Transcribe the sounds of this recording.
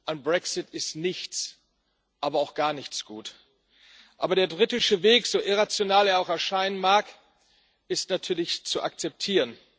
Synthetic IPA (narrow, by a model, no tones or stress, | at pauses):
ʔaɪnbʁɛksɪtɪstnɪçt͡s | ʔaːbɐaʊxɡ̥aːɐnɪçt͡sɡ̥uːt | ʔaːbɐɾeːɐbʁitɪʃəveːkz̥oːʔɪʁat͡sjonaːleːɐaʊxɛɐʃaɪnənmaːɐk | ɪstnatʰyːɐlɪçt͡suʔa̰k̚t͡sɛp̚tʰiːʁən